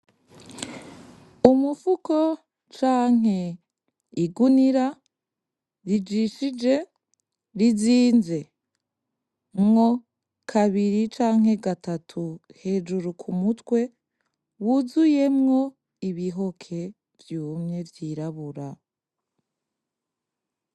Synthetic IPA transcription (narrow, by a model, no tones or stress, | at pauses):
umufuko̞ | t͡ʃaːŋ̥ɦe̞ | iɡuniɾa | ɾid͡ʒiʃid͡ʒe̞ | ɾiziːnze̞ | mŋo̞ | kʰaβiɾit͡ʃaːŋ̥he̞ɡatatʰuhe̞ːd͡ʒuɾukʰumutwe̞ | wuzuje̞mŋo̞ | iβiɦo̞kʰe̞ | vjuːmɲe̞vjiːɾaβuɾa